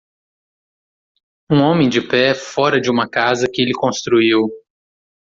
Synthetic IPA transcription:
ũõmẽj̃d͡ʒɪpɛfɔɾɐd͡ʒɪũmɐkazɐkɪelɪkõst̪ɾuiw

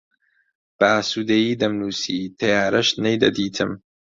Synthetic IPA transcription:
b̥asuːd̪ejiːd̪ɐmnuːsiːt̪ʰɐjaːɾɐʃnejd̪ɐ̰d̪iːt̪ʰɨm

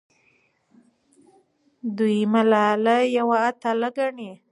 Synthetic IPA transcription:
d̪ujmalalajawaːt̪aləɡaɳi

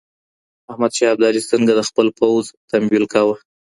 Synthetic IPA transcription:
ahmad̪ʃɑab̚d̪alisəŋɡad̪əxpəlpawzt̪ambilkawə

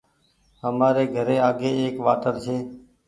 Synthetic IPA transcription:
ɦəmaːɾeːɡʱəɾeːaːɡeːeːkʋaːʈəɾt͡ʃʰeː

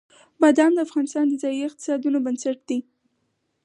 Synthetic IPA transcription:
bad̪ɑmd̪əafɣɑnɪst̪ɑnd̪əzɑjiɪq̚t̪ɪ̥sɑd̪unobansaʈ̚d̪̥i

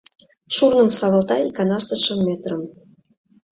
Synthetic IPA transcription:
ʃurnə̆msɑβɤ̆lt̪ɑilʲkɑnɑʃt̪ɤ̆ʃə̆mːet̪rə̆m

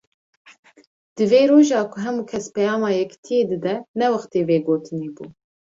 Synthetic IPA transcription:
d̪̥ɨveːɾoːʒɑːkʰʊɦɛmuːkʰɛspɛjɑːmɑːjɛkt̪ʰijeːd̪ɨd̪ɛnɛwɑxt̪eːveːɡoːt̪ʰɨneːbuː

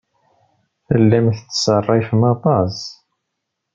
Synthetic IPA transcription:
θəlːæmθt͡sːsərˤːifmɑðˤɑzˤ

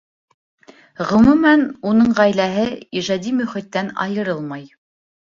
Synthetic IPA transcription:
ʁɵ̆mumænunɤɴʁæjlæɦɘiʒɑd̪imɵ̆χit̪ːænɑ̰jɤ̆ɾɤlˠmɑj

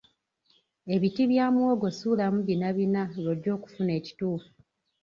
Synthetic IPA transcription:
e̞βitiβjaːmwo̞ːɡo̞suːlamuβinaβinaβodːo̞ːku̥fune̞ːci̥tuːfu

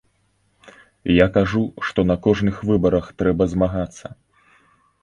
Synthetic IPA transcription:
jakaʐuʂt̪ɔnɐkɔʐnɨxvɨbɐɾɐxt̪ɾɛbɐzmaɣat̪sːɐ

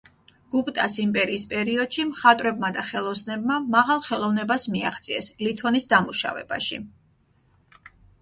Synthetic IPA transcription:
ɡ̥upʼt̪ʼasimpʼɛɾiːspʼɛɾiɔd̪̥ʃimχat̪ʼɾɛbmad̪aχɛlˠɔsnɛbmamaʁalˠχɛlˠɔvnɛbasmia̰χt̪sʼiɛslit̪ʰɔnisd̪amuʃa̰vɛ̰baʃḭ

